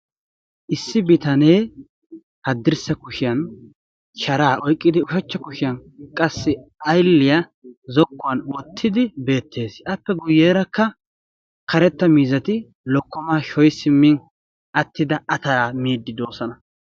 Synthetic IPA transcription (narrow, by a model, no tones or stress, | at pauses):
ʔɪsːɪbɪt̪ɐne̞ː | hɐd̪ːɪɾsɐkʊʃɪjɐn | ʃɐɾaːʔɔjkʼːɪd̪ɪʊʃɐt͡ʃːɐkʊʃɪjɐnkʼɐsːɪɐjlːɪjɐzɔkːʊwɐnwɔt̪ʰːɪd̪ɪbe̞ːt̪ːe̞ːsɐpːɛɡʊjːe̞ːɾɐkːɐ | kɐɾɛt̪ːɐmiːzɐt̪ɪ | lɔkːɔmaːʃɔjsɪmːɪn | ɐt̪ʰːɪd̪ɐʔɐt̪ɐɾaːmiːd̪ːɪd̪o̞ːsɐnɐ